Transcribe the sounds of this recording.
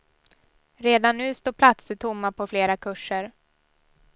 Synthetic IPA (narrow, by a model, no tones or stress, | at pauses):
ɾeːd̪anːʉ̟ːst̪oːpʰlat̪sət̪ʰʊmːapʰɔfleːɾakʰɵʂːəɾ